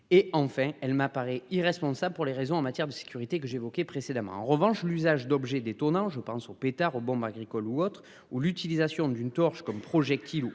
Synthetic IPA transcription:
eɑ̃fɛ̃ɛlmapaʁɛiʁɛspɔ̃sabləpuʁleʁezɔ̃ɑ̃mat̪jɛʁd̪əse̥kʲyʁit̪ekəʒeevɔkepχesed̪amɑ̰̃ɑ̰̃ʁəvɑ̃ʃlyzaʒd̪ɔbʒɛd̪et̪ɔnɑ̃ʒəpɑ̃sopet̪aʁobɔ̃baɡʁikɔluɔt̪χ | ulyt̪ilizasjɔ̃d̪ynt̪ɔʁʃkɔmpχɔʒɛk̚t̪ilu

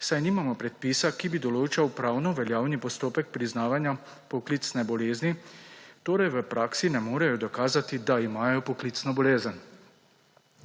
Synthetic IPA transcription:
sajniːmamɔpɾɛt̪̚piːsakibid̪ɔloːt͡ʃawpɾaːwnɔʋɛljaːwnipɔst̪oːpɛk̚pɾiznaːʋanja | pɔklit̪snɛbɔleːznit̪oːɾɛjʋəpɾʔaːksinɛmoːɾɛjɔd̪ɔkaːzat̪id̪aimaːjɔpɔklit̪snɔbɔleːzən

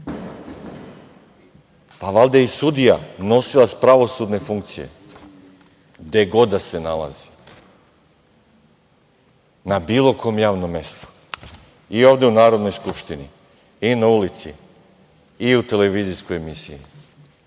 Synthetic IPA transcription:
paʋalˠd̪eisud̪ija̰no̞silaspɾaʋo̞sud̪ne̞fuŋkt̪sije̞̰ | d̪e̞ɡo̞d̪ase̞nalˠa̰zi̥ | nabiːlˠo̞kʰo̞mjaːʋno̞mːe̞st̪u̥ | io̞ʋd̪e̞unaːɾo̞d̪no̞jskupʃt̪ini | inaulit̪sḭ | iut̪e̞le̞ʋizisko̞jemisḭjḭ

